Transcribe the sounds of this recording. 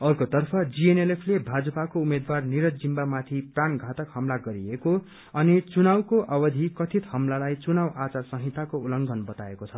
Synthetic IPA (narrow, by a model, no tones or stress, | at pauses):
ʌrkot̪ʌrpʰʌd͡zienelepʰlebʱad͡zʌpakoumed̪warniɾʌd͡zimbamat̪ʰipranɡʱat̪ʌkhʌmlaɡʌɾieko | ʌnit͡sunawkoʔʌbʌd̪ʱikʌt̪ʰit̪hʌmlalajt͡sunawat͡sarsʌɦit̪ːakoulʌŋɡʱʌnbʌt̪aekot͡sʰʌ